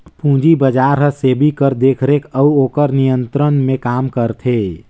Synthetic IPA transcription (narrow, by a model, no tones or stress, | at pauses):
pũd͡ʒibəd͡ʒaɾɦəsebʱikəɾd̪ekʰɾekʰəuokəɾnijənt̪ɾənmekamkəɾt̪ʰe